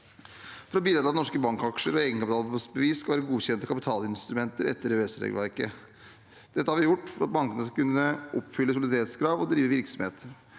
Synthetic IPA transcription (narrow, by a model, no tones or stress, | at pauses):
fɔɾɔbiːd̪ɾɑt̪ɑd̪ɛnɔʂkəbɑŋkɑkʂəɾɔeːɡənkʰɑpɪt̪ʰɑlsbəʋiːskɑlʋæːɾəɡuːçɛnt̪ɔkʰɑpɪt̪ʰɑːlɪnst̪ɾʉmɛnt̪əɾɛ̰t̪ːəɾøɛsɾɛ̰ɡ̪̰ʋæɾkə | d̪̥ɛt̪ːəhɑɾʋɪjʊʈːfɔɾɑ̰t̪̚bɑŋkənəskɑkʰʉnːəʔɔpːfʏlːəsʊɑlɪd̪æːɾɛt̪skʰɾɑːʋɔd̪ɾiːʋəʋɪɾksɔmhḛːt̪